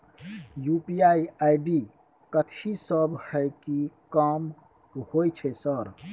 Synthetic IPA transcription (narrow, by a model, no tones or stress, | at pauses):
jupiaiaiɖi | kət̪ʰisəbhɛkikəm | hojt͡ʃʰɛsəɾ